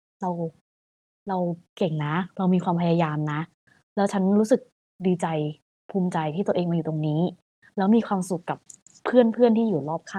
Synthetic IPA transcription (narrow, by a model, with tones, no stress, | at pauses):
ɾa˧w | ɾa˧wke˨˩ŋna˦˥ɾa˧wmiː˧kʰwaː˧mpʰa˧jaː˧jaː˧mna˦˥ʔ | lɛː˦˥wt͡ɕʰa˦˥nɾuː˦˥sɯ˨˩k̚ | diː˧t͡ɕa˧j | pʰuː˧˥mt͡ɕa˧jt̪ʰiː˥˩t̪u˧ʔeː˧ŋaː˧uː˨˩t̪o˧ŋniː˦˥ | lɛː˦˥wmiː˧kʰwaː˧msu˨˩kːa˨˩pʰː | ɯ˥˩ənpʰɯ˥˩ənt̪ʰiː˥˩uː˨˩lɔː˥˩p̚kʰaː˥˩